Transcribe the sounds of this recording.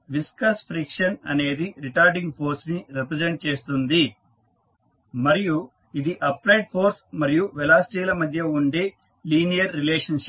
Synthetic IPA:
ʋiskɐspʰɾikʂɐnɐ̰ne̞ːd̪iɾiʈaːɾɖiŋɡpʰo̞ːɾsniɾipɾed͡ʒeɳʈ̚t͡ʃe̞ːst̪und̪i | mɐɾiju | id̪iʔɐpɾɐjɖ̚pʰo̞ːɾsmɐɾijuʋɛlaːsʈiːlɐmɐd̪ʱjɐuɳɖe | liːnijɐɾːileːʂɐnʃ

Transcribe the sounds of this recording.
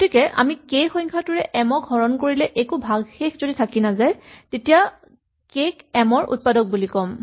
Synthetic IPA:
ɡotʰikɛʔa̰mikexɔjŋkʰatuɹɛʔɛmɔkɡʱɔɹɔnkoɹilɛʔekubʱaɡxexʰzoditʰakinazajtetija | kekɛmɔɹʔṵt̚padɔk̚bulikɔm

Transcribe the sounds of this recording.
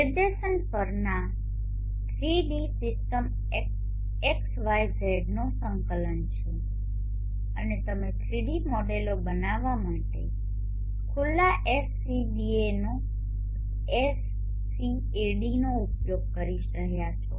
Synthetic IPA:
nɪd̪esənpəɾna | t̪ʰɾiɖisɪsʈəm | ek | eksʋajzeɖnosəŋkələnt͡ʃʰe | ənet̪əmet̪ʰɾiɖimɔɖelobənaʋamaʈḛ | kʰʊlːaʔesːibieno | esː | i | eɖinoupjoɡ̚kəɾiʃɾəɦjat͡ʃʰɔ

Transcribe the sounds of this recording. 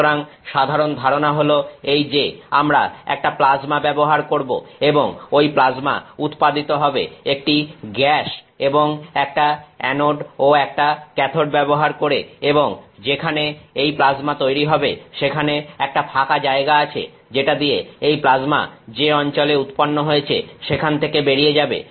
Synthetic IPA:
ɾaŋʃad̪ʱaɾond̪ʱaɾonaɦoloejd͡ʑeamɾa̰ɛ̰k̚ʈaplad͡ʑmabɛboɦaɾkoɾbo̰eboŋojplad͡ʑma̰ut̪pad̪it̪oɦɔbḛek̚ʈiɡɛʃ | eboŋɛk̚ʈaɛnoɖoɛk̚ʈakɛt̪ʰoɖbɛboɦaɾkoɾḛeboŋd͡ʑekʰaneejplad͡ʑmat̪ojɾiɦɔbeʃekʰaneɛk̚ʈapʰakad͡ʑaeɡaat͡ɕʰḛ | d͡ʑeʈad̪ijeejplad͡ʑma̰d͡ʑeɔnt͡ɕoleut̪ponːoɦojet͡ɕʰḛʃekʰant̪ʰekebeɾied͡ʑabḛ

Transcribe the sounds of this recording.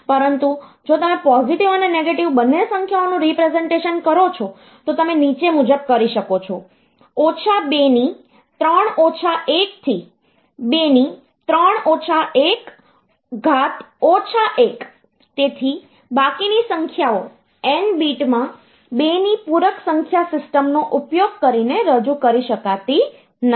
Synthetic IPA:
pəɾənt̪ud͡ʒot̪əmẽpɔziʈiʋəneneɡeʈiʋbənːesəŋkʰjaonũɾipɾezeɳʈeʃənkəɾot͡ʃʰo | t̪ot̪əmenit͡ʃemud͡ʒəb̚kəɾiʃəkot͡ʃʰo | ot͡ʃʰabeni | t̪ɾəɳ̃ot͡ʃʰaʔek̚t̪ʰi | beni | t̪ɾəɳot͡ʃʰaek | ɡʱat̪ot͡ʃʰaʔek | t̪et̪ʰi | bakinisəŋkʰjao | enbiʈmã | benipuɾəksəŋkʰjasɪsʈəmnoʔupjoɡ̚kəɾineɾəd͡ʒukəɾiʃəkat̪i | n

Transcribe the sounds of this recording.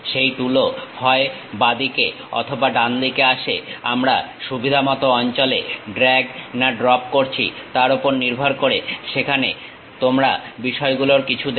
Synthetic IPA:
ʃejʈulohɔe | bad̪ike | ɔ̰t̪ʰobaɖand̪ikeaʃeamɾaʃubʱid̪ʱamɔt̪oɔnt͡ɕolḛɖɾɛɡnaɖɾɔp̚koɾt͡ɕʰḭt̪aɾopoɾniɾbʱoɾkoɾeʃekʰane | t̪omɾabiʃɔeɡuloɾkit͡ɕʰud̪

